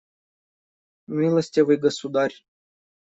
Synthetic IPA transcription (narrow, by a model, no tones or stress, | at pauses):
mʲilˠəsʲt̪ʲevɨjɡəsud̪arʲ